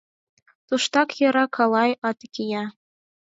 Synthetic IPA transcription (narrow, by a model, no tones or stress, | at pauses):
t̪uʃt̪ɑkjɤ̆ɾɑkʰɑlˠɑjɑt̪kʲijɑ